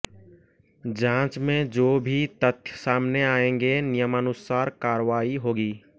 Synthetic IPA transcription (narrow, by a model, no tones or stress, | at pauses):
d͡ʒãːt͡ʃmẽd͡ʒoːbʱit̪ət̪ʰjəsaːmneaːẽːŋ̆ɡenɪjəmənʊsaːɾkaːɾʋaːiɦoːɡiː